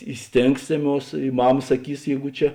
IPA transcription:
ɪ ˈsʲtʲeːŋksʲeːˌmuɔs ɪ ˈmɑːmɐ sɐˈkʲiːs ˈjɛɪɡʊ ˈt͡ʃʲɛ

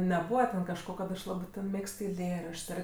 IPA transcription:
nʲɛˈbuːʋɐ tʲɛn kɐʃˈkoː kɐt ˈɐʃ ˈlˠɑːbɜ ˈmʲeːkst ɛɪˈlʲeːrɐʃt͡ʃˈs ˈɐr

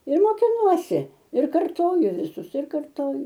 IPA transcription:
ɪr moːkʲɪˈnuɔsʲɪ ɪr kɐrˈtoːjʊ ʋʲɪˈsʊs ɪr kɐrˈtoːjʊ

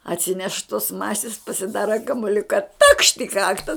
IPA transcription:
ɐtʲˈsʲɪnʲɛʃ toːs ˈmɑːsʲɪs pɐsʲɪˈdɑːrɐ kɐmʊˈlʲʊkɐ tɐkʃt ɪ ˈkɑːktɐ

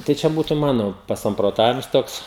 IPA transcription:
tɐɪ ˈt͡ʃʲɛ ˈbuːtʊ ˈmɑːnoː pɐsɐmproːˈtɑːʋʲɪms ˈtoːks

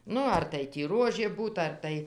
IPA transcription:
ˈnʊ ɐr tɐɪ tʲiː ˈruɔʒʲeː ˈbuːt ɐr ˈtɐɪ

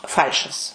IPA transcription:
ˈfɐlʲʃɐs

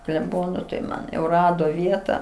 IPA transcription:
klʲɛˈboːnoː tɐɪ ˈmɐn jɛʊ ˈrɑːdoː ˈʋʲiɛtɐ

